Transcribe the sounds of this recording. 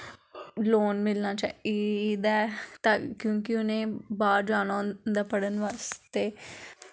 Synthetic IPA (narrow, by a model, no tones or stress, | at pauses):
loːnmɪlnãːt͡ʃa̰id̪aːt̪akjõːkɪʊnẽːbaːɾd͡ʒaːnand̪aːpəɽənʋaːst̪eː